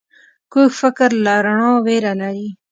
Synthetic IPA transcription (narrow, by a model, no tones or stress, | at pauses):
kufəkəɾlaɾɳõːweɾanaɾi